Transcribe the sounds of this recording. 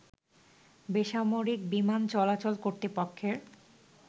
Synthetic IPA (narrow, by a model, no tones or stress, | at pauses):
beʃamoɾikbimant͡ɕɔlat͡ɕolkoɾt̪epokʰːeɾ